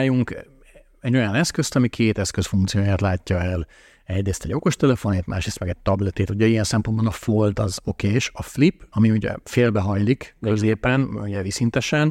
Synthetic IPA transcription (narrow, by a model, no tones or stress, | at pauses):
juŋk | ɛɟːo̞jɒnɛskøst̪ɒmikʰeːt̪ɛskøsfuŋkt̪sijoːjaːt̪laːcːɒɛl | ɛɟɾeːst̪ɛɟo̞ko̞ʃt̪ɛlɛfo̞neːt̪mʔa̰ːʃɾesmɛɡɛɟ̚t̪ɒblɛt̪eːt̪uɟɛijɛnsɛmponbonɒfolt̪ɒzo̞keːʃɒflipːɒmiuɟɛ̰feːlbɛɦɒjlikkøzeːpɛnuɟɛvisint̪ɛʃɛn